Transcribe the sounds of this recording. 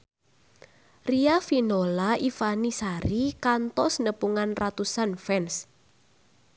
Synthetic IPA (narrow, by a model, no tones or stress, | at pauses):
riafinolaifanisaɾikant̪ɔsnəpuŋanrat̪usanfɛns